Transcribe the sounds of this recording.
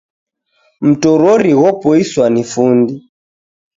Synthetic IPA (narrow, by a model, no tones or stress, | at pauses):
m̩tɔɾɔɾiɣɔpɔiswanifundi